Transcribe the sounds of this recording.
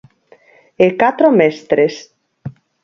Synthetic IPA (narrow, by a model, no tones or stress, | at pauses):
ekat̪ɾomest̪ɾes